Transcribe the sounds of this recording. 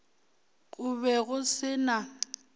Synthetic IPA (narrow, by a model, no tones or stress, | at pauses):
kʼʊβɛɣʊsɪna